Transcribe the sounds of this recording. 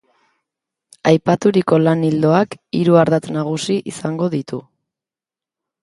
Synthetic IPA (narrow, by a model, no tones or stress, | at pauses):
ajpat̪uɾiko̞lanild̪o̞akiɾuaɾðat͡s̪naɣ̞usiʔisaŋɡo̞ðit̪u